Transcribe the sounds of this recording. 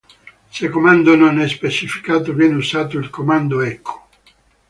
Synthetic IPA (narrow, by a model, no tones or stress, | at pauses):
sekːomand̪ononɛspet͡ʃifi̥kaːt̪ovjɛːneusaːt̪̬oilkomand̪oɛkʰːo̥